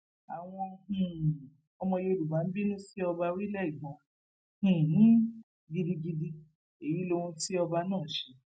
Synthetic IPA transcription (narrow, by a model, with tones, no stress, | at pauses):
a˨w̃ɔ̃˧hũ˨ | ɔ˧mɔ̃˧jo˧o˧˨lu˨ba˨˦n̩˦bi˦nũ˦si˦ɔ˧ba˧wi˦lɛ˦i˦˨ɡ͡bɔ̃˨˦ | h̩˨nĩ˦ | ɡi˧di˧ɡi˧di˧ | e˨ji˨˦lo˧wũ˧ti˦ɔ˧ba˧nãː˦˨ʃe˨˧˦